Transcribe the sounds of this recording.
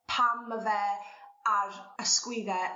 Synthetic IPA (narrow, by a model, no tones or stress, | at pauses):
pʰaməvɛːaɾəskwɪðɛ